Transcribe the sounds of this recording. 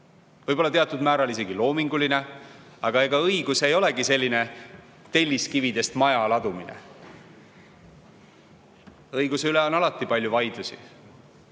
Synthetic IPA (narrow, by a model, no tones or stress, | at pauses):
vɤjb̥o̞lːɑt̪e̞ɑt̪ːˑud̪̥mæːɾɑlis̬e̞ɡ̥ilo̞ːmiŋɡuline̞ɑɡ̥ɑe̞ɡɑɤiɡ̥use̞jo̞le̞ɡise̞lʲːine̞ | t̪e̞lʲːiskivid̪e̞st̪mɑjɑlɑd̪̥uminḛ | ɤjɡ̥useyleo̞nɑlɑt̪ːˑipɑlʲjuvɑjd̪̥lusi